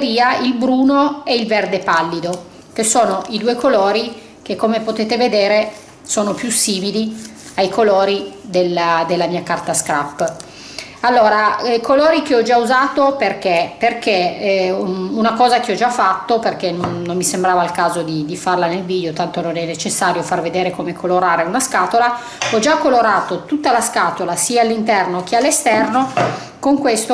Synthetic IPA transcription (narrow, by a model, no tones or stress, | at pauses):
ɾiːailbɾuːnoɛilvɛrd̪epalːid̪o | k̟esoːnoʔid̪uːekoloːɾi | k̟ekːomepot̪eːt̪eved̪eːɾe | soːnopjusiːmili | ajkʰoloːɾid̪elːad̪elːamiːakart̪askɾapː | alːoːɾaɛkʰoloːɾik̟eɔd͡ʒauzaːt̪operk̟eperke | unakɔːzak̟eɔd͡ʒafːat̪ːoperk̟enonːomːisembɾaːvailkaːzod̪id̪ifarlanelviːd̪eot̪ant̪ononɛnːet͡ʃesːaːɾjofarved̪eːɾekomekʰoloɾaːɾeunaskaːt̪ola | ɔd͡ʒakːoloɾaːt̪ot̪ut̪ːalaskaːt̪olasiːaːlːint̪ɛrnok̟ealːest̪ɛrno | koŋkwest̪o